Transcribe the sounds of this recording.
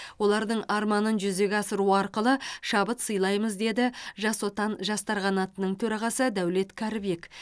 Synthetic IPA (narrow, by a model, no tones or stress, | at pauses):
wo̞lˠɑɾd̪əɴɑɾmɑnənʒʏze̞ɡʲɑsəɾuɑɾqəlˠəʃɑbət̪səjlˠɑjməzd̪e̞d̪ɪʒɑswo̞t̪ɑnʒɑst̪ɑɾʁɑnɑt̪ənəɴt̪ʰɵɾɑʁɑsəd̪æwle̞t̪kʲʰæɾɪbek